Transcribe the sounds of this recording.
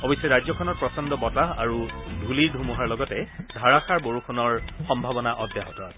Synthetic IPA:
ɔbisːɔɹajzɔkʰɔnɔt̚pɹɔsɔndɔbɔtaɦaɹudʱuliɹdʱumuɦaɹlɔɡɔtɛdʱaɹaxʰaɹboɹukʰɔnɔɹxɔmbʱabɔnaʔɔdʱjaɦɔtɔt

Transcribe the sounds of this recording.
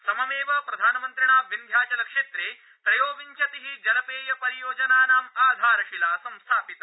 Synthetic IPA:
sɐmɐmeːʋɐpɾɐd̪ʱaːnɐmɐnt̪ɾiɳaːʋind̪ʱjaːt͡ʃɐlɐkʂeːt̪ɾeː | tp̪ɾɐjoːʋiɲt͡ʃɐt̪iɦid͡ʒɐlɐpeːjɐpɐɾijoːd͡ʒɐnaːnaːmaːd̪ʱaːɾɐʃilaːsɐmst̪ʰaːpit̪ɐ

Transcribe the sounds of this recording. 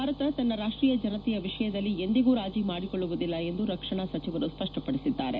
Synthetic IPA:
bʱaːɾɐt̪ɐt̪ɐnːɐɾaːʂʈɾiːjɐd͡ʒɐnɐt̪ijɐʋiʂɐjɐd̪ɐlːie̞nd̪iɡuːɾaːd͡ʒimaːɽikoɭːuʋud̪ilːɐe̞nd̪uɾɐkʂɐɳasɐt͡ʃiʋɐɾuspɐʂʈɐpɐɽisid̪ːaːɾe

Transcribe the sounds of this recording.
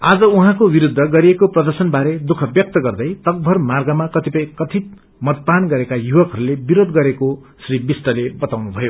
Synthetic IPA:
ad͡zʌuɦãkobiɾud̪ʱːʌɡʌɾiekoprʌd̪ʌrsʌnbaɾed̪ukʰʌbjʌk̚t̪ʌɡʌrd̪ʌjt̪ʌɡ̚bʱʌrmarɡʌmakʌt̪ipʌjkʌt̪ʰit̪ | mʌt̪̚panɡʌɾekajuwʌkɦʌɾulebiɾod̪ɡʌɾeko | sribisʈʌlebʌt̪awnubʱʌjo

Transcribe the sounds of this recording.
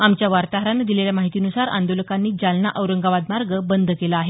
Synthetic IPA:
amt͡ɕjaʋaɾt̪aɦɾanːed̪ileljamaɦit̪iːnusaɾa̰nd̪oləkanːiːd͡ʑalnaʔəwɾəŋɡaʋad̪maɾɡəbənd̪ʱəkelaaːɦe

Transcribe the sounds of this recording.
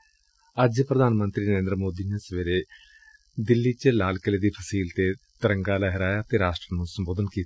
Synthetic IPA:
əd͡ʒpɾəd̪ʱaːnmə̃nt̪ɾiːnəɾẽːnd̪ɾəmoːd̪iːneːsəʋeːɾeː | d̪ɪlːiːt͡ʃəlaːlkəleːd̪iːpʰəsiːlt̪eːt̪əɾəŋɡaːlaɦɪɾaːjaːt̪eːɾaːsʈɾənũːsəmboːd̪ənkiːt̪

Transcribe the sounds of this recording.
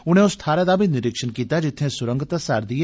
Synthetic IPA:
ʊñẽːʊst̪ʰaːɾeːd̪aːbʱinɪɾɪkʃənkiːt̪ad͡ʒɪt̪ʰːẽːsʊɾə̃ŋɡət̪asaɾd̪ie

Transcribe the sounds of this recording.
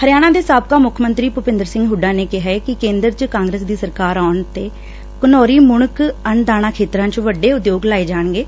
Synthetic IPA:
həɾɪjaːɽ̃ãːd̪eːsaːbkaːmʊkʰmənt̪ɾiːpʊpɪ̃nd̪əɾsɪ̃ŋɡɦʊɖãːneːkɪɦaekɪkẽːnd̪əɾt͡ʃəkãːŋɡɾeːsd̪iːsəɾkaːɾaːʊɳt̪eː | kʊnɔːɾiːmʊɽəkəɳd̪aːɽ̃aːkʰeːt̪ɾãːt͡ʃʋəɖeːʊd̪joːɡlaːeːd͡ʒaːɳɡeː

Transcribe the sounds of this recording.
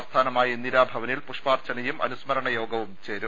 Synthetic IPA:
st̪ʰaːnɐmaːjiniɾaːbʱɐʋɐnilpuʂpaːrt͡ɕɐnɐjumʔɐ̰nusmɐɾɐɳɐjo̞ːɡɐʋumt͡ɕe̞ːɾum

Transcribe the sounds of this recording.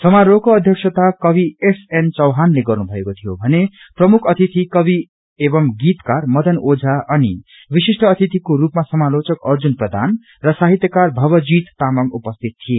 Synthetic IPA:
sʌmaɾokoʌd̪ʱjʌksʰʌt̪akʌbiesent͡sʌwɦanleɡʌrnubʱʌekot̪ʰijobʱʌne | prʌmukʰʌt̪ʰit̪ikʌbi | ebʌmɡit̪karmʌd̪ʌnod͡zʱaʔʌni | bisisʈʌːt̪ʰit̪ikoɾupmasʌmalot͡sʌkʌrd͡zunprʌd̪ʱa̰n | rʌsaɦit̪jʌkarbʱʌβʌd͡zit̪ːamʌŋupʌst̪ʰit̪ʰːije

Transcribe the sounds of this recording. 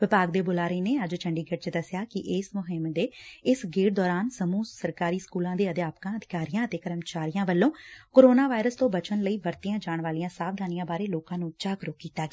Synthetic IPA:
ʋɪpaːɡd̪eːboːlaːɾəiːneːəd͡ʒt͡ʃʰəɳɖiːɡəʈt͡ʃd̪əsjaːkɪʔɪsmʊɦɪmd̪eːɪsɡeːʈd̪ɔːɾaːnsəmuːsəɾkaːɾiːskuːlãːd̪eːəd̪jaːpkãːəd̪ʱɪkaːɾijãːət̪eːkəɾəmt͡ʃaːɾijãːʋəlːõːkoːɾoːnaːʋaːɪɾəst̪õːbət͡ʃənləiːʋəɾt̪ɪjãːd͡ʒaːɳʋaːlɪijãːsaːbd̪aːnɪjãːbaːɾeːloːkãːnũːt͡ʃaːkɾʊkːiːt̪aːɡː

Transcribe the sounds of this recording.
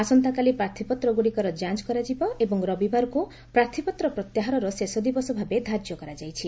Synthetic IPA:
asɔnt̪akalipɾaɾt̪ʰipɔt̪ɾɔɡuɽikɔɾɔd͡ʒant͡ʃkɔɾad͡ʒibɔʔebɔŋɾɔbibaɾɔku | pɾaɾt̪ʰipɔt̪ɾɔpɾɔt̪jaɦaɾɔɾɔsesɔd̪ibɔsɔbʱabed̪ʱad͡ʒjɔkɔɾad͡ʒajt͡ʃʰi

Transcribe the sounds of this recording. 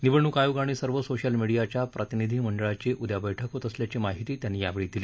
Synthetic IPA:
niʋəɳːukajuɡaɽ̃iːsəɾʋəsoɕəlmiɽijat͡ɕjapɾʔət̪inid̪ʱiːməɳɖəɭat͡ɕeʔud̪jabəjʈʰəkɦot̪əsljat͡ɕiːmaɦit̪iːt̪janːiːja̰ʋeɭiːd̪iliː

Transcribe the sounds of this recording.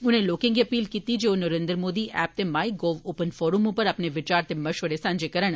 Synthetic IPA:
ʊnẽloːkẽŋɡiɐpiːlkiːt̪id͡ʒeːonɐɾẽːnd̪ɾmoːd̪iʔɛːp̚t̪emaːiɡoːʋoːpənfɔːɾumʊ̃pəɾɐpneʋɪt͡ʃaːɾt̪emɐʃʋəɾesãːnd͡ʒekɐɾəɽ̃

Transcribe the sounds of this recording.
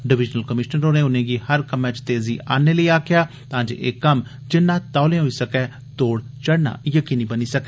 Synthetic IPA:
ɖɪʋɪd͡ʒnəlkəmɪʃnənɾoːnẽːʊnẽːɡiːhəɾkəmɛ̃ːt͡ʃt̪eːziːʔaːneːləiːaːkʰɪjaːt̪ãːd͡ʒḛʔḛːkəm | d͡ʒɪnːãːt̪aːlẽːɦoiːsəkɛː | t̪oːɽt͡ʃəɽna̰ːjəkiːnĩːbəniːsəkɛː

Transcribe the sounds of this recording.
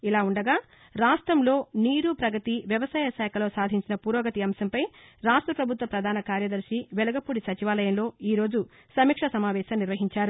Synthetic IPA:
ilaːuɳɖɐɡaː | ɾaːsʈɾɐmlo̞ːniːɾupɾɐɡɐt̪iʋjɐʋɐsaːjɐsɛːkʰɐlo̞ːsaːd̪ʱiɲt͡ʃinɐpuːɾoːɡɐt̪iɐmsɐmpɐj | ɾaːʂʈɾɐpɾɐbʱut̪ʋɐpɾɐd̪ʱaːnɐkaːɾjɐd̪ɐɾʃiʋɛlɐɡɐpuːɽisɐt͡ʃiʋaːlɐjɐmlo̞ːiːɾo̞ːd͡ʒu | sɐmiːkʂɐsɐmaːʋɛːʃɐːmniɾʋɐɦiɲt͡ʃaːɾu

